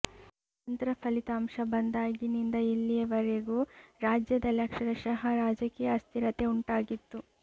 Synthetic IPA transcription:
ɐnt̪ɾɐpʰɐlit̪ɐːmʂɐbɐnd̪aːɡinind̪ɐilːijɐʋɐɾeɡuɾaːd͡ʒjɐd̪ɐljɐkʂɐɾɐʃɐɦɐɾaːd͡ʒɐkijɐːst̪ʰiɾɐt̪e̞uɳʈaːɡit̪ːu

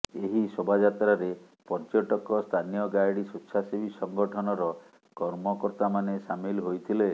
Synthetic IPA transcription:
eɦisobʱad͡ʒat̪ɾaɾe | pɔɾt͡ʃɔʈɔkɔst̪ʰanijɔɡajɽisutːsʰasibisɔŋɡɔʈʰɔnɔɾɔ | kɔɾmɔkɔɾt̪amanesamilɦojt̪ʰile

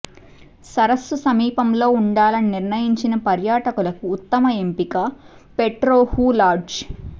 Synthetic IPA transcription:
sɐɾɐsːusɐmiːpɐmlo̞ːuɳɖaːlɐniniɾnɐjiɲt͡ʃinɐpɐɾjaːʈɐkulɐkuːt̪ːɐmɐempikɐ | peʈɾoːhuːlaːɾd͡ʒ

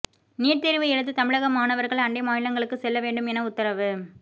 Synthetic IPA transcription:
niːʈ̚t̪eɾʋɯɛɻɯt̪ːɯt̪ɐmɪɻɐɣɐmaːnɐʋɐɾɣɐɭɐɳɖemaːjɪlɐŋɡɐɭɯkːɯsɛlːɐʋeːɳɖɯmɛnɐʊt̪ːɐɾɐʋɯ

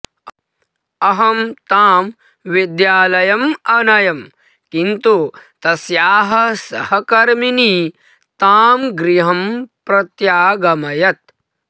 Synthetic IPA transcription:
ɐɦɐmt̪aːm | ʋid̪jaːlɐjɐmɐnɐjɐm | kint̪ut̪ɐsjaːɦɐsɐhɐkɐɾmini | t̪aːmɡɾiɦɐmpɾɐt̪jaːɡɐmɐjɐt̪̚

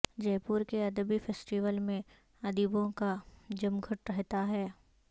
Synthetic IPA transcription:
d͡ʒɛːpuːɾkeɐd̪əbifʰeːsʈiʋəlmẽ | ɐd̪ibõkad͡ʒɐmɡʱʊʈɾɐɦt̪aɦɛː

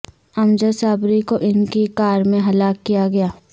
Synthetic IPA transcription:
ɐmd͡ʒəsaːbɾikoʔɪnkikaːɾmẽɦɐlaːkːijaɡɐjaː

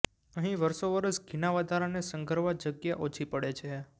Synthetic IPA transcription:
əɦĩʋəɾʃoʋəɾəsɡʱinaʋəd̪ʱaɾanesəŋɡʱəɾʋad͡ʒəɡjaʔot͡ʃʰipəɽet͡ʃʰe

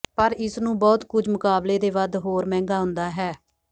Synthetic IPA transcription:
pəɾɪsnũːbɔːt̪kʊd͡ʒmʊkaːbleːd̪eːʋəd̪ɦoːɾmɛ̃ːŋɡaːɦʊ̃nd̪aːɦɛː

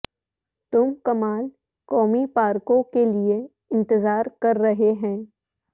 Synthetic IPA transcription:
t̪ʊmkɐmaːl | kɔːmipaːɾkõkelie | ɪ̃nt̪ɪzaːɾkɐɾːɐɦeɦɛ̃ː

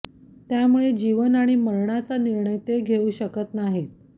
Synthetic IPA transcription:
t̪jamuɭed͡ʑiʋənaɽ̃iməɾɳat͡saniɾɳəjt̪eɡʱeuɕəkət̪naɦit̪̚

